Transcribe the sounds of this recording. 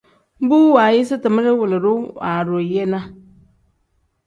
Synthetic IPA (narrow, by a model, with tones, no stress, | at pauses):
buː˦wa˨jɪ˦sɪ˦tɨ˨mə˦ɾɪ˦wʊ˨lɪ˨ɾʊ˦a˨ɾʊ˨je˦na˦